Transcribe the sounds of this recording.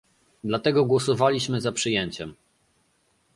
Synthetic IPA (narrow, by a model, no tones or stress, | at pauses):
d̪lat̪ɛɡɔɡwɔsɔvalʲiɕmɘzapʂɘjɛɲt͡ɕɛm